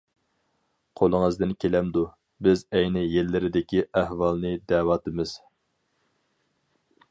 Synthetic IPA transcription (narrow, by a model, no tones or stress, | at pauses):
qʰolˠəŋəzd̪ɪnkʲʰelɛmd̪u | bɪzɛjnɪjelːɪɾɪd̪ɪkʲʰiʔæhwɑlˠnɨd̪ɛːwɑt̪ɨmɪz̥